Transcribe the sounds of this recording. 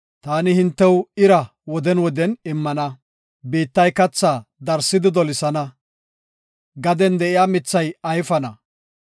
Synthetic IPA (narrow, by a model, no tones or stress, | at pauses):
t̪aːnɪhɪnt̪ːɛwɪɾɐ | wɔd̪ɛnwɔd̪ɛnɪmːɐnɐ | beːt̪ːɐjkɐt͡sːaːd̪ɐɾsːɪd̪ɪd̪ɔlɪsɐnɐ | ɡɐd̪ɛnd̪ɛʔɪjaːmɪt͡sːɐjɐjfɐnɐ